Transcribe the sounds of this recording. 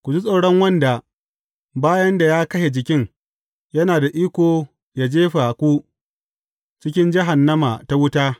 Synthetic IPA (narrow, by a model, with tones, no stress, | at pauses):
kʷu˨d͡ʒi˦sʼoː˨ɽɔ˦ŋwɐ˦nda˨ | baː˦jɐ˦nda˨jaː˦kɐ˦ʃe˨d͡ʒɪ˨kʲɪ˦ŋ | jɐ˦naː˨da˨ʔiː˦kʷoː˨ | ja˨d͡ʒeː˦ɸa˨kʷu˦ | t͡ʃɪ˦kʲɪ˦nd͡ʒɪ˦ɦa˨nːɐ˦ma˨ta˦wʊ˦taː˦